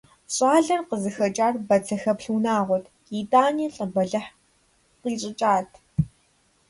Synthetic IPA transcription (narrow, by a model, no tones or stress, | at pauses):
ɕʼaːɮɐrqəzɨxɐt͡ʃʼaːrbɐt͡sʰɐxɐpɬuːnaːʁʷɔtʰ | iːtʼaːniːɬʼɐbɐɮɐħ | qiːɕʼɪt͡ʃʼaːtʰ